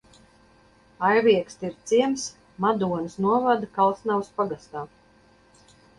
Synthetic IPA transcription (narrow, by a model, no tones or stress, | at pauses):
ajvʲiɛkst̪iɾt̪siɛms | mad̪uɔnɨsnuɔvad̪akalˠsnawspaɡast̪aː